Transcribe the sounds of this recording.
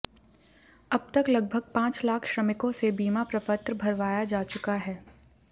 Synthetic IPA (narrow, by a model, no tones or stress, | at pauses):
ɐb̚t̪ɐklɐɡ̚bʱəɡ̚pãːt͡ʃlaːkʰʃɾɐmɪkõsebiːmapɾɐpət̪ɾbʱɐɾʋaːjad͡ʒaːt͡ʃʊkaɦɛː